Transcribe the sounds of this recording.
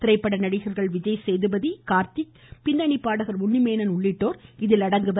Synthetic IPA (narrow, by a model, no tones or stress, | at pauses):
t̪ɪɾɐɪpːɐɽɐnɐɽɪɣɐɾɣɐɭʋɪd͡ʒɐjsɛjðɯbɐðikaːɾt̪i | pɪnd̪ɐɳɪpːaːɽɐɣɐɾʊɳːɪmeːnɐnʊɭːɪʈːoːɾɪðɪlɐɽɐŋɡɯʋɐ